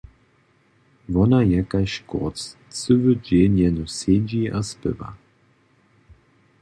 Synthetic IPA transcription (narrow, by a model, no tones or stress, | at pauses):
vɔnajɛkaɕkɔ̰t͡s | t͡sɨvəd͡ʒenjɛnused͡ʑiaspɪ̰va̰